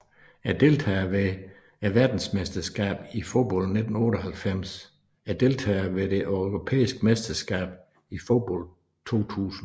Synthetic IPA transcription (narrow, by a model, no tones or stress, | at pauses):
æɐd̥e̝lt͡sʰɛ̰ːʋe | æʋæɐd̥n̩smesd̥ɐsɡ̥ɛ̰ːb̥ifo̝b̥ɒ̽l̰d̥ne̝d̥n̩ɔ̽ːɾ̥ɒɦælfem̰s | æɐd̥e̝lt͡sʰɛ̰ːʋe̝de̝ʔøʊʁo̝pʰḛːisɡ̥əmesd̥ɐsɡ̥ɛ̰ːb̥ | ifo̝b̥ɒl̰d̥̚ | t͡sʰo̝̰ːt͡sʰṵːsn̩